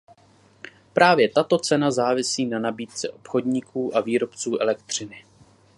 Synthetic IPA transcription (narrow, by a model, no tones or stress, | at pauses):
pɾʔaːvjɛt̪at̪o̞t͡sɛnazaːvɪsiːnanabiːt̪̚t͡sɛʔo̞̥pxo̞dɲɪkʰuːʔaviːɾo̞pt͡suːʔɛlɛkt̪r̝̥ɪnɪ